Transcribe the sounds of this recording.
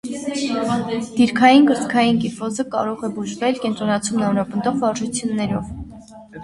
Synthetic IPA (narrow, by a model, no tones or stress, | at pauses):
d̪̥iɾkʰɑjinɡəɾt͡skʰɑjinkifɔzəkɑ̰ɾɔʁɛbuʒvɛlkɛnt̪ɾɔnɑt͡sʰumnɑnɾɑpənd̪ɔʁvɑɾʒut͡sʰjunːɛɾɔv